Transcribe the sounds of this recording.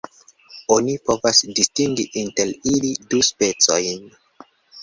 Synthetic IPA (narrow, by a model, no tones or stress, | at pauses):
o̞nipo̞vasdistiŋɡiʔinte̞liliduspe̞t͡so̞jn